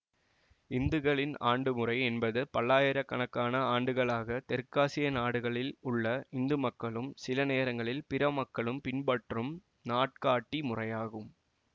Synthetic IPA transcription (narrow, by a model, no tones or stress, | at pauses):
ɪnd̪ɯɣɐɭɪna̰ːɳɖɯmʊrɐɪɛnbɐðɯpɐɭːaːjɪɾɐkːɐɳɐkːaːnɐaːɳɖɯɣɐɭaːɣɐt̪ɛɾkːaːsɪjɐnaːɽɯɣɐɭɪlʊɭːɐɪnd̪ɯmɐkːɐɭɯmsɪlɐneːɾɐŋɡɐɭɪlpɪɾɐmɐkːɐɭɯmpɪnbɐʈrɯm | naːʈ̚kaːʈːimʊrɐjaːɣɯm